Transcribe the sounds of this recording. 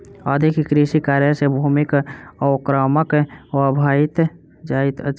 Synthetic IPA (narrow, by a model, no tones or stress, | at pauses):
əd̪ʱikkɾiʃikaːɾjəsebʱuːmɪkəʊkɾəməkɔbʱaːɪt̪ | d͡ʒaːit̪ət͡ʃ